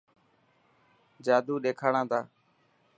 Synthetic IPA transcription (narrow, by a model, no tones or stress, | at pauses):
d͡ʒaːd̪uːɗeːkʰaːɽãːt̪ʰaː